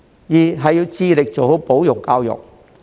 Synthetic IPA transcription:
jiː˨˩ɦɐ˨jiː˧wt͡siː˧lɪ˨k̚t͡ʃo˨who˨˥wpo˨˥wjʊ˨kːaː˧wjʊ̰˨k̚

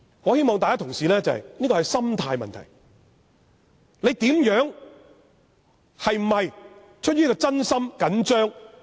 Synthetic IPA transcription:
ŋɔː˨˧he˥jmɔː˨ŋt̪aː˨kaː˥t̪ʰʊ˨ŋsiː˨lɛː˥t͡sɐ˨hɐ̰˨˩jniː˥kɔː˧˨jsɐ˥mt̪ʰaː˧jmɐ̰˨nt̪ʰɐ̰˨˩j | le˨˧jt̪iː˨˥mjœː˨˥ŋ | hɐ˨jm̩˨˩ɐ˨j | t͡ʃʰt̚jyː˥nː˥kɔː˧t͡sɐ˥nsɐ˥mkɐ˨˥nt͡ʃœː˥ŋ

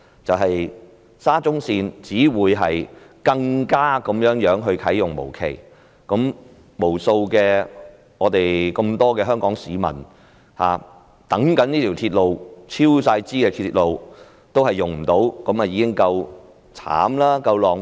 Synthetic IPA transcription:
t͡sɐ˨wɦɐ˨j | saː˥t͡sʊ˥ŋsiː˧nt͡siː˨˥wuː˨˧˥jɦɐ˨jkɐ˧ŋkaː˥kɐ˨˥mjœː˨˥ŋjœː˨˥ŋɦɵ˧ɥkʰɐ˨˥jjʊ˨˩ŋmo̰˨˩wkʰe˨˩j | kɔ˨˥m | mo˨˩wso˧wkɛː˧ | ŋɔː˨˧t̪e˨jkə˧mt̪ɔː˥kɛː˧ɦœː˥ŋkɔː˨˥ŋsiː˨˧mɐ̰˨˩n | ha̰ː˨˧ | t̪ɐ˨˥ŋkɐ˨˥niː˥t̪ʰiː˨˩wt̪ʰiː˧t̚lo˨wt͡sʰiː˥wsaː˧jt͡siː˥kɛː˧t̪ʰi˧˥t̚lo˨˧w | t̪o˥whɐ˨jʊ˨ŋm̩˨˩t̪o˨˥wkɔ˨˥ma˨jiː˨˧kɪ˥ŋkɐ˧w | t͡sʰa̰ː˨˥mlaː˥kɐ˧wlɔː˨˩ŋ

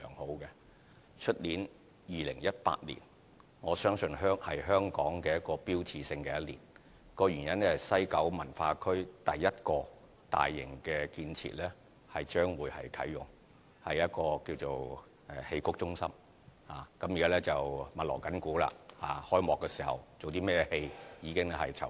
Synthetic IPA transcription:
ŋho˨˥wkɛ˧ | t͡ʃʰɵ˥t̚liː˨˥n | jiː˨lɪ˨˩ŋjɐ˥t̚pa̰ː˧t̚lḭː˨˩n | ŋɔː˨˧sœː˥ŋsɵ˧nɦœː˥ŋhɐ˨jɦœː˥ŋkɔː˨˥ŋkɛː˧jɐ˥t̚kɔː˧piː˥wt͡sʰiː˧sɪ˧ŋkɛː˧jɐ˥t̚lḭ˨˩n | kɔː˧ɥyː˨˩njɐ˥nɛ˥hɐ˨˩jsɐ˥jkɐ˨˥wmɐ˨˩nfaː˧kʰɵ˥ɥt̪ɐ˨jːɐ˥t̚kɔː˧ | t̪a̰ː˨˩jːɪ̰˨˩ŋkɛː˧kiː˧nt͡sʰḭː˨t̚lɛː˥ | hɐ˨jt͡ʃœː˥ŋwuː˨˥jhɐ̰˨jkʰɐ̰˨˥jːʊ̰˨˩ŋ | hɐ˨jːɐ˥t̚kɔː˧kiː˧wt͡so˨w | ɛː˨he˧jkʰʊ˥k̚t͡ʃʊ˥ŋsɐ˥m | haː˨kɐ˨˥mjiː˨kaː˥lɛː˥t͡sɐ˨wmɐ˨t̚lɔ̰ː˨˩wkɐ˨˥nkuː˨˥la̰ː˧haː˨˩hɔː˥jmɔː˨kːɛː˧siː˨˩hɐ̰˨˩wt͡so˨wt̪iː˥mɛː˥jɛ˧he˧jjiː˨˧kɪ˥ŋlɛ˥hɐ˨jt͡sʰɐ̰˨˩

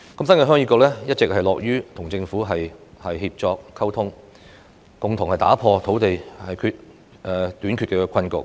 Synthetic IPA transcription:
kɐ˧˥msɐ˥nkɛː˧ɦœː˥ŋjiː˧˥kʊː˧klɛː˥jɐ˥t̚t͡sɪ˨k̚hɐ˨jlɔː˨k̚jyː˥t̪ʰʊ˨˩ŋt͡sɪ˧ŋfuː˨˥ɦɐ˨jhɐ˨jɦiː˧p̚t͡sɔː˧k̚kʰːɐ˥wt̪ʰʊ˥ŋ | kʊ˨ŋt̪ʰʊ˨ŋhɐ˨jt̪a̰ː˨˥pʰɔː˧t̪ʰo˨˥wt̪e˨jhɐ˨jkʰyː˧t̚ | ɛ˨˧t̪yː˨˥nkʰyː˧t̚kɛ˧kʰɐ˧nkʊ̰˨k̚

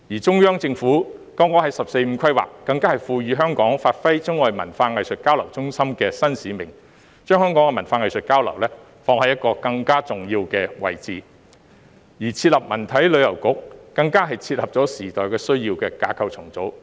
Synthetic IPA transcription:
jiː˨˩t͡sʊ˥ŋjœː˥ŋt͡sɪ˧ŋfuː˨˥kɔː˥ŋkɔ˨˥hɐ˨˥jsɐ˨p̚se˧jm̩˨˥kʰɐ˥jwa̰ː˨kːɐ˧ŋkaː˥hɐ˨˩jfuː˧ɥyː˨˧˥ɦœː˥ŋkɔː˨˥ŋfaː˧t̚fɐ˥jt͡sʊ˥ŋɔː˨˧jmɐ˨˩nfaː˧ŋɐ˨jsɵ˨t̚kaː˥wlɐ˨˩wt͡sʊ˥ŋsɐ˥mkɛː˧sɐ˥nsiː˨˥mɪ˨˩ŋ | t͡ʃœː˥ŋhœː˥ŋkɔː˨˥kɛ˧mɐ˨˩nfaː˧ŋɐ˨jsɵ˨t̚kaː˥wlɐ̰˨˩wlɛː˥ | fɔː˧ŋhɐ˨jɐ˥t̚kɔː˧kɐ˧ŋkaː˥t͡sʊ˨ŋjiː˧wkɛː˧wɐ̰˨jt͡siː˨ | jiː˨˩t͡sʰiː˧t̚lɐ˨p̚mɐ˨˩nt̪ʰɐ˨˥jlɵ˨˧ɥjɐ˨˩wkʊ˨˥k̚ːɐ˧ŋkaː˥ɦɐ˨jt͡sʰiː˧t̚lɐ˨p̚t͡sɔː˨˥siː˨˩t̪ɔː˨jkɛː˧sɵ˥ɥjiː˧wkɛː˧kaː˨˧kʰɐ˨wt͡sʰʊ˨˩ŋt͡so˨˥w

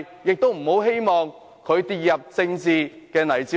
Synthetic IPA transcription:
jɪ˨k̚t̪o˥wm̩˨˩ho˨˧˥wɦe˥jmɔː˨ŋ | kʰɵ˨˧ɥt̪iː˨t̚jɐ˨p̚t͡sɪ˧ŋt͡siː˨˧ | kɛː˧nɐ˨˩jt͡siː˨˥

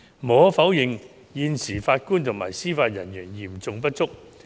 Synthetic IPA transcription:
mɔː˨˥fɐ˨˥wjɪ˨ŋ | jiː˧nsiː˨˩faː˧t̚kuː˥nt̪ʰʊ˨˩ŋmaː˨˩jsiː˥faː˧t̚jɐ˨˩njyː˨˩njiː˨˩mt͡sʊ˧ŋp̬ɐ˥t̚t͡sʊ˥k̚

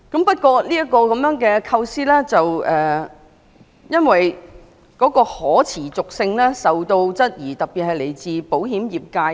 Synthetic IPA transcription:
kɐ˨˥mpɐ˥t̚kʷɔː˧liː˥jɐ˥kːɔː˧kɐ˨˥mjœː˨˥ŋkɛː˧kʰɐ˧wsiː˥lɛː˥t͡sɐ˨wʔɛː˨ | jɐ˥nwɐ˨j | kɔː˨˥kɔː˧hɔː˨˥t͡sʰiː˨˩t͡sʊ˨k̚sɪ˧ŋlɛː˥sɐ˨wt̪o˧wt͡sɐ˥t̚jiː˨˩t̪ɐ˨k̚pi˨t̚hɐ˨jle˨˩jt͡siː˨po˨˥whiː˨˥mjiː˨p̚kaː˧j

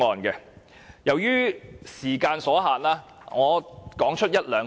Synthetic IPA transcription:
ɔː˨nkɛ˧ | jɐ˨˩wjyː˥siː˨˩kaː˧nsɔː˨˥ɦaː˨nlaː˥ | ŋɔː˨˧kɔː˨˥ŋt͡ʃʰɵ˥t̚jɐ˥t̚lœː˨˧ŋ

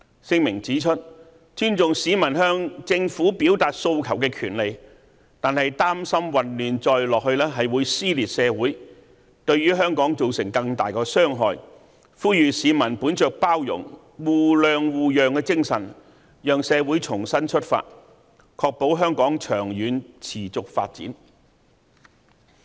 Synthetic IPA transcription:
sɪ˥ŋmɪ˨˩ŋt͡siː˨˥t͡ʃʰɵ˥t̚ | t͡ʃyː˥nt͡sʊ˨ŋsiː˨˥mɐ˨˩nɦœː˧ŋt͡sɪ˧ŋfuː˨˥piː˨˥wt̪aː˨t̚so˧wkʰɐ˨˩wkɛː˧kʰyː˨˩nle˨j | t̪aː˨nhɐ˨jt̪aː˥msɐ˥mwɐ˨nlyː˨nt͡sɔː˧jlɔː˨k̚hɵ˧ɥlɛː˥ɦɐ˨jwuː˨˧jsiː˥liː˨˩t̚sɛː˨˧wuː˨˥j | t̪ɵ˧ɥɥyː˥ɦœː˥ŋkɔː˨˥ŋt͡so˨wsɪ̰˨˩ŋkɐ˧ŋt̪aː˨˩jkɔː˧sœː˥ŋɦɔ̰ː˨˧j | fuː˥jyː˨siː˨˧mɐ˨˩npuː˨˥nt͡ʃœː˨k̚paː˥wjʊ̰˨˩ŋ | wuː˨˩lœː˨˧ŋwuː˨jœː˨ŋkɛ˧t͡sɪ˥ŋsɐ̰˨˩n | jœː˨ŋsɛː˨˧wuː˨˥jt͡ʃʰʊ˨˩ŋsɐ˥nt͡ʃʰɵ˥t̚fa̰ː˧t̚ | kʰɔː˧k̚po˨˥wɦœː˥ŋkɔː˨˥ŋt͡ʃʰœː˨˩ŋjyː˨nt͡sʰiː˨˩t͡sʊ˨k̚fa̰ː˧t̚t͡sḭ˨˥n

